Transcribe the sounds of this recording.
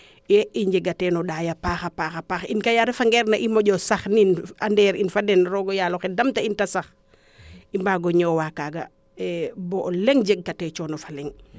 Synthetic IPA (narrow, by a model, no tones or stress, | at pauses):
ɛiɲd͡ʒɛɡatɛːnɔɗaːjapaːxapaːxapaxḭnkajaɾɛfaŋɡɛɾnaʔimɔɟɔsaxninandɛːɾinfadɛnɾɔɡɔjaloxɛdɐmtaintasax | imbaɡɔɲɔːwakaɡa | ɛbɔʔlɛŋd͡ʒeɡ̚ɡatɛːt͡ʃɔːnɔfalɛŋ